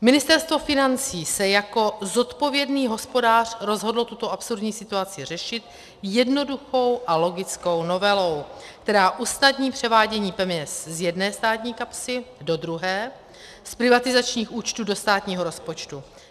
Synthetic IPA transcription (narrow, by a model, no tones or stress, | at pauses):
mɪnɪst̪ɛɾst̪vo̞fɪnant͡siːsɛjako̞zo̞t̪po̞vjɛdniːɦo̞spo̞daːr̝̥ɾo̞zɦo̞dl̩t̪ut̪o̞ʔapsuɾdɲiːsɪt̪uat͡sɪr̝ɛʃɪt̪ | jɛdno̞duxo̞wʔalo̞ɡɪt͡sko̞wno̞vɛlo̞wk̚t̪ɛɾaːʔusnadɲiːpr̝̥ɛvaːɟɛɲiːpɛmɲɛszjɛdnɛːst̪aːt̪ɲiːkapsɪdo̞d̪ɾuɦɛː | spɾɪvat̪ɪzat͡ʃɲiːxuːt͡ʃt̪uːdo̞st̪aːt̪ɲiːɦo̞ɾo̞spo̞t͡ʃt̪u